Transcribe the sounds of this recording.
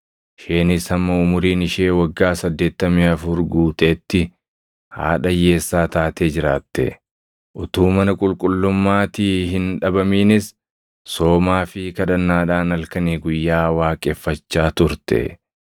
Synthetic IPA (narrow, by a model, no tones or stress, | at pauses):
ʃe̞ːnɪsɐmːɐʊmʊɾiːnɪʃe̞ːwɐɡːaːsɐd̪ːe̞ːt̪ːɐmiɐfʊɾɡuːt̪eːt̪ːɪ | ha̰ːᶑɐje̞ːsːaːt̪aːt̪eːd͡ʒɪɾaːt̪ːɛ̰ | ʔʊt̪uːmɐnɐkʼʊlkʼʊlːʊmːaːt̪iːhɪnᶑɐbɐmiːnɪs | so̞ːmaːfɪkɐᶑ̪ɐnːaːᶑaːnɐlkɐniːɡʊjːaːwaːkʼɛfːɐt͡ʃːaːt̪ʊɾt̪ɛ̰